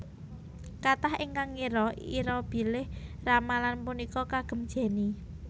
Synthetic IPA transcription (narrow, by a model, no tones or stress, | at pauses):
kat̪ahɪŋkaŋiɾɔiɾɔb̥i̤lɪhramalanpunikɔkaɡ̥ə̤md̥ʒ̥e̤ni